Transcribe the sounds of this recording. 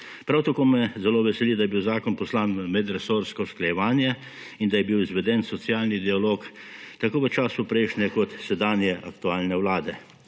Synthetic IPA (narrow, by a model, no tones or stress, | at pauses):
pɾawt̪akoːmɛzɛloːʋɛsɛlid̪ajɛbiwzaːkɔnpɔslaːnmɛd̪ɾɛsoːɾskɔsklajɛʋaːnjɛ | ind̪ajɛbiwizʋɛd̪ɛnsɔt̪sijaːlnid̪ialoːk | t̪akoːʋət͡ʃaːsʊpɾɛjʃnʲɛkɔt̪sɛd̪aːnjɛʔa̰kt̪uaːlnɛwlaːd̪ɛ